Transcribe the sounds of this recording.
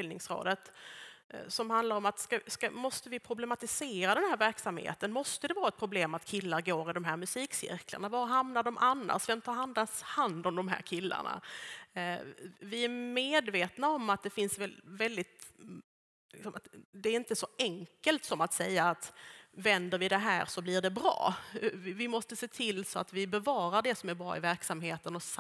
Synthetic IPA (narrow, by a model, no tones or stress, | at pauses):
ɪlnɪŋsɾo̰ːd̪ət̪ | sɔmhand̪laɾɔmat̪skaskamɔst̪əvɪpʰɾʊblɛmat̪ɪseːɾad̪ɛnhæːɾvæɾksamhḛːt̪ənmɔst̪əd̪ɛvɑːɾaɛt̪̚pʰɾʊbleːmat̪kʰɪlːaɾɡoːɾɪd̪ɔmɦæːɾmɵsiːksɪ̰ɾkʰlə̰ɳavaɦamnaɖɔmʔanːa̰ʂvɛmt̪ʰɑːɾhand̪ahand̪ɔmd̪ɔmɦæ̰ːɾkʰɪlːa̰ɳa̰ | vɪæɾmeːd̪veːt̪naɔmat̪̚d̪ɛfɪnsvɛvɛld̪ɪt̪ | lɪksɔmʔat̪d̪ɛæɾɪnt̪əsɔɛŋkəlt̪sɔmat̪sɛjːaːt̪vɛnd̪əɾvɪd̪ɛɦæ̰ːɾsɔblɪɖɛbɾɑ̰ː | vɪmɔst̪əseːt̪ʰɪlːsɔa̰t̪vɪbɛvɑːɾaɖɛsɔmæɾbɾɑ̰ːɪvæɾksamɦeːt̪ənɔs